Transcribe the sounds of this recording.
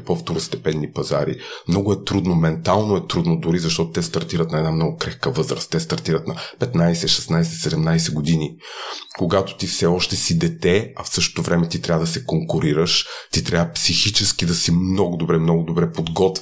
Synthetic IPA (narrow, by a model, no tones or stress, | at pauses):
poft̪oɾost̪ɛpɛnːipɐza̰ɾḭmnɔɡʊɛt̪ɾud̪nomɛnt̪alˠnoɛt̪ɾud̪nod̪ʊɾizɐʃt̪ɔt̪o̥t̪ɛst̪ɐɾt̪iɾət̪nɐɛd̪amnɔɡʊkɾɛxkəvɤzɾəst̪ːɛst̪ɐɾt̪iɾət̪nɐpɛt̪najsɛʃɛsnajsɛsɛd̪ɛmnajsɛɡod̪inikoɡat̪o̥t̪ifsɛɔʃt̪ɛsid̪ɛt̪ɛɐfsɤʃt̪o̥t̪ovɾɛmɛt̪it̪ɾʲavəd̪ɐsɛkoŋkʊɾiɾəʃt̪it̪ɾʲjavəpsixit͡ʃɛskid̪ɐsimnɔɡʊd̪obɾɛmnɔɡʊd̪obɾɛpod̪ɡɔt̪v